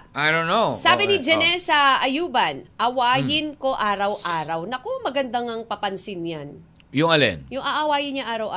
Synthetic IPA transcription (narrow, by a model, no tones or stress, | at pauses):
ʔajdonːosaːbɪnid͡ʒɛnɛsɐʔɐjuːbɐnʔɐwaːjɪnko̞ʔaːɾɐwʔaːɾɐwnɐkomɐɡɐnd̪aŋɐŋpɐpɐnsɪnjan | jʊŋɐlɛ̰njʊŋʔɐʔɐwaːjɪnɲaʔaːɾɐwʔa